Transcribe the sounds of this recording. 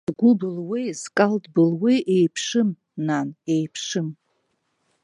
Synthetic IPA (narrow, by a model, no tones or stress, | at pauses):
ɡʷʊbɨlwejzkʼaldbɨlwejʔejpʰʂɨm | nanejpʰʂɨm